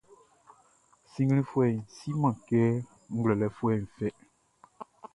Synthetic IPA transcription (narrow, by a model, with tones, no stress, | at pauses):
sĩ˦ŋɡlĩ˦fu˦ɛ˨n̩˨si˦mã˨kɛ˦ | ŋ̩˦ɡlɛ˨lɛ˨fu˦ɛ˨n̩˨fɛ˦